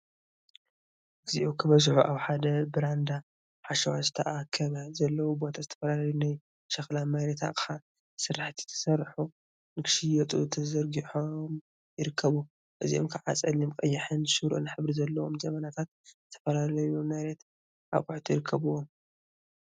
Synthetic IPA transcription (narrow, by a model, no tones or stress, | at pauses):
ʔɨziʔokʰɨβɐzħuʔaβħad̪ɐbɨɾand̪a | ħaʃɐwazɨt̪ʰɐʔakʰɐβazɐlːɐwubo̞t̪ʰazɨt̪ʰɐ̥fɐlalɐjunaj | ʃɐxlamajɾet̪ʰa̰kʼɨħa | sɨɾaħt̪ʰi̥t̪ʰɐ̥sɐrːħu | nɨkʃijɛt̪ʼut̪ʰɐzɐɾɡiħom | jɪɾɨkʰːɐβu | ʔɨzḭo̰mkʰɨʕa̰t͡sʼɐlimkʼɐjːɪħɨnʃɨɾʔunħɨβɾizɐlːɐwo̞mzɐmɐnat̪ʰat̪̚zɨt̪ʰɐ̥fɐlalɐjuomːajɾet̪ | ʔa̰βkʼʊħt̪ʰujɪɾɨkʰːɐβuwom